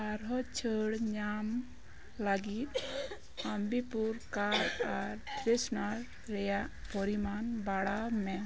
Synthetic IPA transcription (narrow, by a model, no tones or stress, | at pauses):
aɾɦɔt͡ʃʰəɽɲam | laɡit̪̚ | ambipuɾkaɾaɾpɾesnaɾː | ɛjaʔpɔɾimanbaɽawmɛ